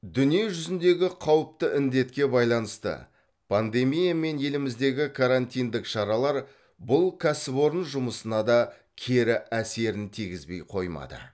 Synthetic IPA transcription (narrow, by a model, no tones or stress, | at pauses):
d̪ʏnije̞ʒʏzɪnd̪e̞ɡʲɪqʰɑwəp̚t̪əʔɪnd̪e̞t̪kʲe̞bɑjlˠɑnəst̪ə̰ | pʰand̪e̞mijame̞nje̞lɪmɪzd̪e̞ɡʲɪkʰaɾant̪ijnd̪ɪkʃɑɾɑlˠɑɾ | bʊlˠkʲʰæsɪbo̞ɾənʒʊməsənɑd̪ɑ | kʲʰeɾɪʔæse̞ɾɪnt̪ʰiɡʲɪzbe̞jqʰo̞jmɑ̰d̪ə̰